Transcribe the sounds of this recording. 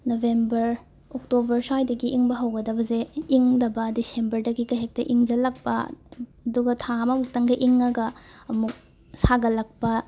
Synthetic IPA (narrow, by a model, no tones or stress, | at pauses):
nobʱembɐɾ | ok̚tobɐɾsajdɐɡiʔiŋbɐɦɐwɡɐdɐbɐzeiŋdɐbɐdisembɐɾdɐɡikɐɦek̚tɐʔiŋd͡ʒɐlɐk̚pɐɐduɡɐtʰamɐmuk̚tɐŋɡɐʔiŋɐɡɐːmuk̚ | saɡɐlɐk̚pɐ